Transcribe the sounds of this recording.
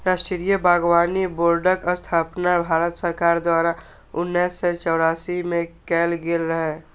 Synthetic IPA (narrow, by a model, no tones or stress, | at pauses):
ɾasʈɪɾijəbaːɡwaːniboːɾɖəkəst̪ʰaːpnabʱaːɾət̪səɾkaːɾd̪waːɾa | ʊnːɛːsːet͡ʃɔːɾaːsimẽkɛːlɡelɾəɦɛ